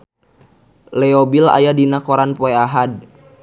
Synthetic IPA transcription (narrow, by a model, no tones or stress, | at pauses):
lɛɔbila̰jadinakɔɾanpɔɛaɦad̚